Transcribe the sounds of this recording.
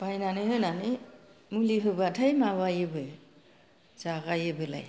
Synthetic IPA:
b̥ajnanɯɦɯjnanɯmuliɦɯbatʰajmawajɯbɯj | zaɣajɯbɯla̰j

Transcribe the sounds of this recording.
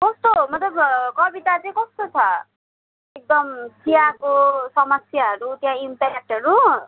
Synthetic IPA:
kʌst̪omʌt̪lʌbkʌbiʈ̪at͡sʌj̃kʌst̪ot͡sʰʌ | ek̚d̪ʌmsʰijakosʌmʌsjaɦʌɾut̪jãimpaak̚ʈʌɾu

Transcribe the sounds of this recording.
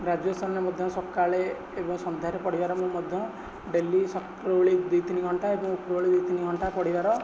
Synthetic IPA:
ɾad͡ʒjɔsɔnnemɔd̪ʱjɔ̃sɔkːaɭeː | bɔŋsɔnd̪ʱjaɾepɔɽibaɾɔmũmɔd̪ʱjɔ̃ | ɖelːisɔkɾoɭid̪it̪iniɡʱɔɳʈaebɔŋukɾɔoɭid̪it̪iniɡʱɔɳʈapɔɽibaɾɔ

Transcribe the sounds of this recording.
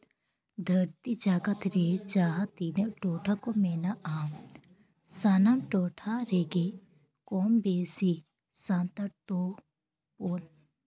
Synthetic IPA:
d̪ʱɐɾt̪id͡ʒaːɡɐt̪ɾeːd͡ʒaːɦɐt̪inɐʈoːʈʰakomeːnaʔaːm | saːnamʈoːʈʰaɾeːɡe | koːmbeːsi | sãːnt̪ɐɾt̪oː | poːn

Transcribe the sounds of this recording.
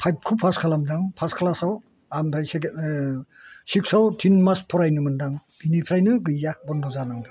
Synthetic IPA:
pʰajb̚kʰupʰaskʰalamdaŋpʰaskʰalasaw | amdʰɾajs | sik̚sawtʰinmaspʰɔɾajnɯmɯndaŋb̥inipʰɾajnɯɡɯjːabɔndɔzanaŋdɯ

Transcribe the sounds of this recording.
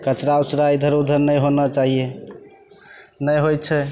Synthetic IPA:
kət͡ʃɾausɾaid̪ʱəɾud̪ʱəɾnəjɦonət͡ʃaɦie | nəjɦojt͡ʃʰɛ

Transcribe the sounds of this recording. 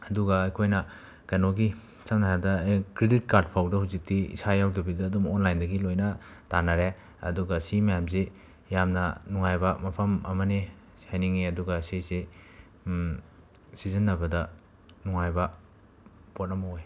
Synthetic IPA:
ɐduɡɐːjkʰojnɐ | kɐnoɡi | sɐmnajadɐkɾedit̚kaɾd̚pʰawdɐhuwzik̚tiḭsajawdɐbidɐːdumonlajndɐɡilojnɐtanɐɾe | ɐ̰duɡɐsimɐjamze | jamnɐnuŋajbɐmɐpʰɐmɐ̰mɐni | hajniŋiɐduɡɐsise | sizɐnːɐbɐdɐ | nuŋajbɐ | pot̚nɐmɐoj

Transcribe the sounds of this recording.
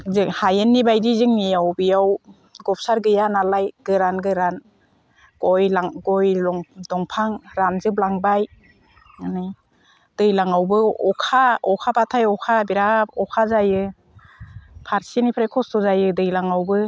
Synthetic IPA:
zɯŋhajenːibajdizɯŋnijawbijaw | ɡɔp̚saɾɡɯjanalajɡ̥ɯɾanɡɯɾan | ɡ̥ɔjlaŋɡɔjlɔŋdɔŋpʰaŋɾanzɯblaŋbaj | anɯj | d̥ɯjlaŋawbɯɔkʰaɔkʰapatʰajɔkʰabiɾaɔkʰazajɯ | pʰaɾsinipʰɾajkʰɔstɔzajɯdɯjlaŋawbɯ

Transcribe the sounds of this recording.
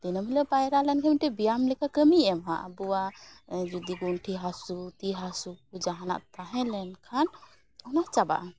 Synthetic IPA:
d̪̥inəmɦilɛpajɾalɛnkʰamiʈɛbijamlɛkʰakəmiɛmɦaʔa̰buwad͡ʒud̪iɡunʈʰiɦasut̪iɦasukud͡ʒaɦana̰ʔt̪aɦɛ̃lɛnkʰan | ɔnaht͡ʃaba̰ʔa

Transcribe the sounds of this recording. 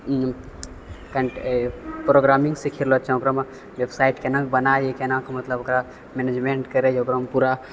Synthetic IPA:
kaɳʈpɾoɡɾamĩŋɡsikʰiɾlɔt͡ʃʰãokɾəma | ʋebsaiʈkenãkbənaekenãkmət̪ləbokɾa | mened͡ʒmeɳʈkəɾed͡ʒokɾəmpuɾa

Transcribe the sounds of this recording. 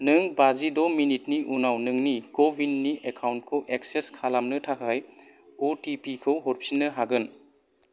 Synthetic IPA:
nɯŋbazidɔminit̚niʔunawnɯŋnikobinːiʔekʰawnt̚kʰɯwʔek̚seskʰalamnɯtʰakʰajotipikʰɯwɦɔɾpʰinːɯɦaɡɯn

